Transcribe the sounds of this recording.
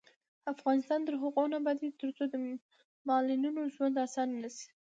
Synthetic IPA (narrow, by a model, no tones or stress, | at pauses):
afɣɑnɪst̪ɑnt̪əɾɦʊqunabad̪et̪əɾt͡sod̪ə | mɑlininoʒwand̪asɑnːasi̥